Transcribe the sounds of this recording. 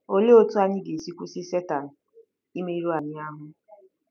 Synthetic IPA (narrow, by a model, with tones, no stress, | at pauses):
o˦le˦o˦tu˦a˦ɲɪ˦ɡe˨si˦kʷu˦si˦se˦ta˨n̩˨ | i˦me˦i˦ɾo˦a˨ɲɪ˦a˦ɦʊ˦